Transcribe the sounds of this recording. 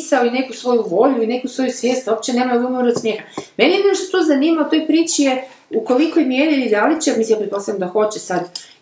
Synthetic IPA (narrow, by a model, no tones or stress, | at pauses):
saoine̞kusʋo̞juʋo̞ʎuine̞kusʋo̞jusʋjeːst̪op̚t͡ɕene̞ːmajoɡumoɾod̪smjexamenejed̪neʃt̪ot̪ozaniːmaut̪o̞jpɾiːt͡ʃije | uko̞likojmjeːɾid̪alit͡ɕemisijapɾet̪po̞savjamd̪axo̞t͡ɕesad̪